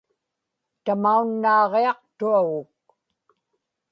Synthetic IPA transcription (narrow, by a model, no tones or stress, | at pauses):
t̪amaunːɑːʁeɑqt̪uaɣʊk̚